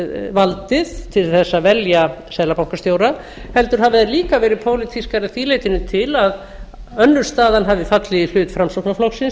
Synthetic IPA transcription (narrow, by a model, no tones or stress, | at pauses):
valt̪ɪð̥t̪ʰɪlθɛsːavɛljasɛːlapawŋkast̪joːwɾa | hɛl̪t̪ʏɾ̥havɪðaɾliːkavɛːɾɪðpʰoːwlɪt̪ʰiskaɾɪθiːlejt̪ɪnʏt̪ʰɪlað | œnːʏɾ̥st̪aːðanɦavðɪfat̪lɪilʏːt̪fɾamsoknaflɔksɪns